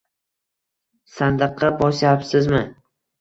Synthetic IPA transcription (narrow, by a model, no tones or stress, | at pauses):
sand̪ɨqʰːɑbɒʃjapsɪzmɪ